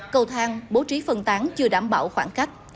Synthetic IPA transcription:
kə˧wt̪ʰaː˧ŋɓo˨˦t͡ɕi˨˦fə˨˩nt̪aː˨˦ŋt͡ɕɨ˧əɗaː˧˩mɓa̰ː˧˩˨wxwaː˧˩nxa˦˥k̚

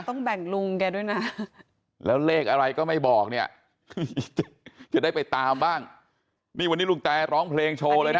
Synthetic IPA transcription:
t̪ɔ˥˩ŋbɛ˨˩ŋlu˧ŋkɛː˧du˥˩jna˦˥ | lɛː˦˥wleː˥˩k̚ʔa˧ɾa˧jkɔː˥˩ma˥˩jbɔː˨˩k̚ni˥˩ɐ | t͡ɕa˨˩t͡ɕa˨˩daː˥˩jpa˧jt̪aː˧mbaː˥˩ŋ | niː˥˩wa˧nːiː˦˥lu˧ŋt̪ɛː˧ɾɔː˦˥ŋpʰleː˧ŋt͡ɕʰoː˧lɤː˧na˦˥

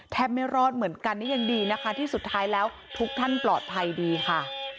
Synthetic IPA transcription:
t̪ʰɛː˦˥p̚ma˥˩jɾɔː˥˩t̪̚mɯ˩˦ənka˧nːiː˦˥ja˧ŋdiː˧na˦˥kʰa˦˥t̪ʰiː˥˩su˨˩t̪ʰːaː˦˥jlɛː˦˥w | t̪ʰu˦˥k̚t̪ʰa˥˩nplɔː˨˩t̪̚pʰa˧jdiː˧kʰa˥˩

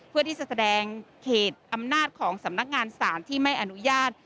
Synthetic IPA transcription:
pʰɯ˥˩ɐiː˥˩sa˧˩sa˧dɛː˧ŋkʰeː˨˩t̪̚ʔa˧mnaː˥˩t̪̚kʰɔː˩˦ŋsa˩˦mna˦˥k̚ŋaː˧nsaː˩˦nt̪ʰiː˥˩ma˥˩jʔa˧nu˦˥jaː˥˩t̪̚

